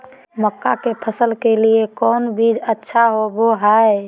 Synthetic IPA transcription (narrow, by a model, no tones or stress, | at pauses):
məkːa̰kepʰəsəlkeliekɔnbʱid͡ʒətːʃʰaɦoboɦaj